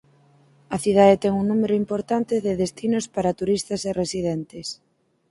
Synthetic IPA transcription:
ɐθiðaðet̪ɛŋuŋnumeɾʊimpoɾt̪ant̪ɪðeðest̪inospaɾɐt̪uɾist̪ɐseresiðɛnt̪ɪs

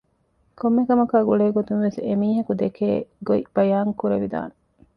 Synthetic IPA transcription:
komːekɐmɐkaːɡuɭeːɡot̪unʋesemiːɦɐkud̪ekeːɡoib̥ɐjaːŋkuɾeʋid̪a̰ːne

